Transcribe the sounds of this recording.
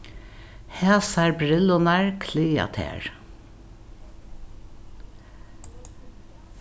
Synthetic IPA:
hæːsæːɹbɾɪlʊnæːɹkʰliːɑ̰t̪ʰḛːɹ

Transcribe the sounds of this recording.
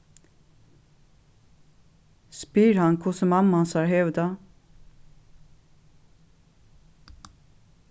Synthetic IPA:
spyːɾhɑnkʰʊsəmɑmɑnsæːɹhœʋd̪ɑ

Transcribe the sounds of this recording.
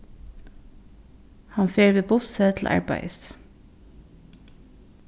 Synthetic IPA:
hɑnfeːɹʋeːbʊsət̪ʰl̩ʔæ̰ɹbæ̰ɪs

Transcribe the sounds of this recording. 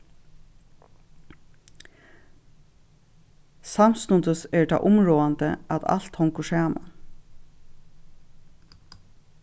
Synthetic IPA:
samst̪ʊnd̪əsɛɹt̪ʰa̰ːʔʊmɹoːant̪ə̰at̪a̰l̥t̪hɔŋkəʂæːma̰

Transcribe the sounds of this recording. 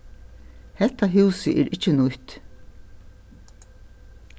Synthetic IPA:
hɛt̪ːaɦuːsɪʔɛːɾʔɪt͡ʃːɪnʊht̪

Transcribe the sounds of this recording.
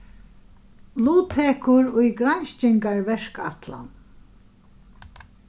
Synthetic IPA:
luːt̪ʰɛkʰʊɾʊjɡɾanʃt͡ʃɪŋkaɹvɛʂka̰t̪la̰n

